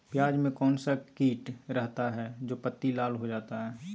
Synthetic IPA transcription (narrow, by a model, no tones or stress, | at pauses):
pjaːd͡ʒmẽkɔːnsakiːʈɾɛɦt̪aɦɛd͡ʒoːpət̪ːilaːlɦod͡ʒaːt̪aɦɛː